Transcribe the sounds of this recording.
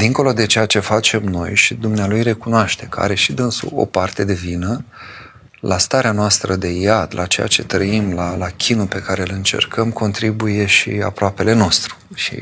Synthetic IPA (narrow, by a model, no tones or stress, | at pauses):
d̪iŋko̞lo̞d̪e̞t͡ʃe̞jat͡ʃe̞fat͡ʃe̞mno̞̰jʃid̪umnealujre̞kunoaʃt̪e̞kəa̰ɾe̞ʃid̪ɨnsṵo̞̰part̪e̞d̪e̞vinə | lʔast̪aɾeanoast̪ɾəd̪e̞jad̪lʔa̰t͡ʃe̞̰ja̰t͡ʃe̞t̪ɾəimlalakʲʰinupe̞kaɾe̞ɨlɨnt͡ʃe̞̰rkʰəmkʰo̞nt̪ɾibuje̞ʃḭa̰pɾoape̞le̞no̞st̪ɾu̥ʃḭ